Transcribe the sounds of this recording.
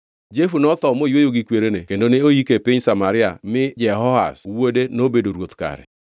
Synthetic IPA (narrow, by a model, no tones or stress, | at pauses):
d͡ʒefunɔt̪ɔmojwojoɡɪkweɾenekendoneojikepɪɲsamaɾɪa̰mɪd͡ʒɛɦɔha̰swodenobedoɾwot̪ka̰ɾɛ̰